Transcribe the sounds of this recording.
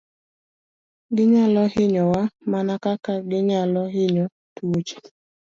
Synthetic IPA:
ɡɪɲalɔhɪɲɔwamanakakaɡɪɲalɔɦɪɲɔ | tuot͡ʃe̥

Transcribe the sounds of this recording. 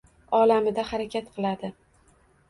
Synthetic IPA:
ɒlamɪd̪ahaɾakʲʰat̪qʰɨlˠad̪ɪ

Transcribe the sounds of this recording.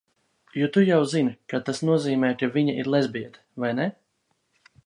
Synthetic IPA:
jɔt̪ujawzinkat̪asnuɔziːmɛːt̪avʲiɲaʔiɾlˠɛzʲbiɛd̪ | vajnɛ

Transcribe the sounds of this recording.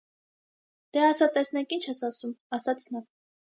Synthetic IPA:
d̪̥ɛɑsɑt̪ɛsnɛkint͡ʃʰɛsɑsumɑsɑt͡sʰnɑ

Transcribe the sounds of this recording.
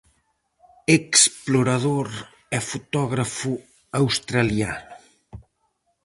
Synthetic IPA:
eksploɾaðoɾ | ɛfut̪ɔɣɾafu | awst̪ɾaljanʊ

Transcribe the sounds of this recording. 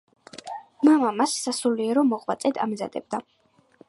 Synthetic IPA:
mamamassasuliɛɾɔmɔʁʼvat̪sʼɛd̪a̰mza̰d̪ɛ̰b̚d̪a

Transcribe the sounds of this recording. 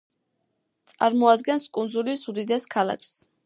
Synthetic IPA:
t̪sʼa̰ɾmɔad̪ɡɛnskʼund̪zulisud̪id̪ɛskʰalˠa̰kʰs

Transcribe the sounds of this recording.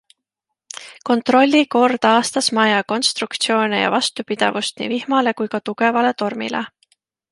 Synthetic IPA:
ko̞nt̪ro̞lʲːiko̞rd̪̥ɑːst̪ɑsmɑjɑko̞nst̪rukt̪sio̞ːnejɑ̰vɑst̪upid̪̥ḛvust̪nḭːvihmɑle̞kujkɑt̪uɡ̥e̞vɑle̞t̪o̞rmḭlḛ

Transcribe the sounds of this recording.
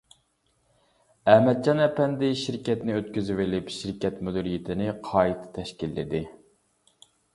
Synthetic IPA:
ɛhmɛt̪̚t͡ʃɑnɛpɛnd̪ɪʃiɾkʲɛt̪nɪøt̪kʲyzɪwɪlɪpʃiɾkʲɛt̪mud̪ɪɾijɪt̪ʰɪnɪqʰɑːit̪ʰɑ̥t̪ʰɛʃkʲilːɪ̰d̪ɪ

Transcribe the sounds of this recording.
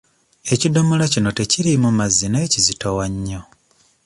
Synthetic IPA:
e̞cido̞molacino̞te̞ciɾimumazinaecizitowaɲːo

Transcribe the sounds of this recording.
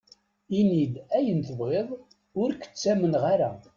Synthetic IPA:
inid̪æjənt̪əvʁeðˤ | ʊɾkə̥t͡sːæmənʁaɾæ̰

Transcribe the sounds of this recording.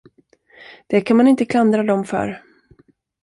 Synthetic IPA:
d̪̥ɛkʰanmanɪnt̪əkʰland̪ɾad̪ɔmfœ̰ɾ

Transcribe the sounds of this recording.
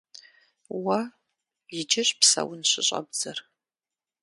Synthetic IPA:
wɐ | jɪd͡ʒɪɕʼpsɐ̰wʊnɕɪɕʼɐ̰bd͡zɐr

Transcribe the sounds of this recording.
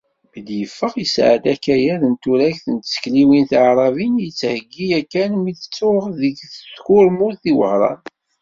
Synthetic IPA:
məd̪jəfːəʁisʕəd̪ækːæjæðənt̪uɾæçθənt̪sə̥kliwinθʕɾˤɑvinjət͡sːhəɡːiækːænmiθə̥t͡sːʊʁðəɡθəskʊɾmʊɾθiwəhɾˤɑ̰n

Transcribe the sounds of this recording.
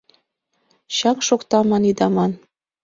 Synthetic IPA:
ɕɑŋʃokt̪ɑmɑnid̪ɑmɑn

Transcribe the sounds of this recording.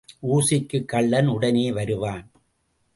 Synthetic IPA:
ʔuːsɪkːɯkːɐɭːɐnʊɽɐneːʋɐɾɯʋaːn

